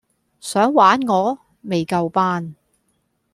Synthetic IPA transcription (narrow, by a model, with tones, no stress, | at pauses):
sœː˨˥ŋwaː˨˥nŋɔː˨˧ | me˨jkɐ˧wpaː˥n